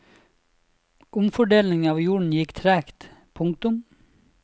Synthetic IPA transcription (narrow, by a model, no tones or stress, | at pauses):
ʔʊmfɔɖeːlnɪŋɑːʋjuːɳ̩jɪkt̪ʰɾæːkt̪pʰʊŋk̚t̪ʊm